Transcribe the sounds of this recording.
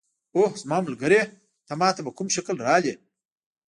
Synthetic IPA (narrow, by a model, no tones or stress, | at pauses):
ohsmaːmulɡɐɾe | t̪ɐmaːt̪ɐbɐkumʃɐklɾaːle